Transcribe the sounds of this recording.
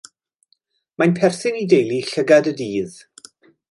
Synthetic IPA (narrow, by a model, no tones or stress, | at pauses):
manpʰɛrθɪnidejlˠiɬəɡadədiːð̥